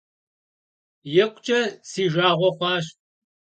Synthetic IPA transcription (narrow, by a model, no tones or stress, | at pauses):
jɛkʷʼt͡ʃʼɐsiːʒaːʁʷɔχʷɑːɕ